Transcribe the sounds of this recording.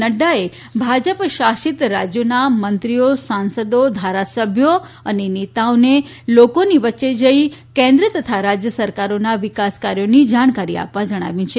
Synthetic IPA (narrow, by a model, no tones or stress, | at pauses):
nəɖae | bʱad͡ʒəpʃaʃit̪ɾad͡ʒjonamənt̪ɾijosansəd̪od̪ʱaɾasəbʱjo | ənenet̪aone | lokoniʋətːʃed͡ʒəikɛ̃nd̪ɾət̪ət̪ʰaɾad͡ʒjəsəɾkaɾonaʋɪkaskaɾjonid͡ʒaɽ̃kaɾia̰pʋãd͡ʒəɽ̃a̰ʋjũt͡ʃʰe